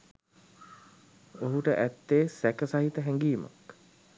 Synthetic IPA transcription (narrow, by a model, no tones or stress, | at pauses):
oɦuʈəʔæt̪ːeːsækəsaɦit̪əɦɛŋɡiːma̰k